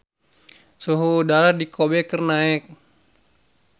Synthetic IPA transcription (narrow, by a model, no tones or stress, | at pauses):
soɦodaladikʰobɛkərnaɛk̚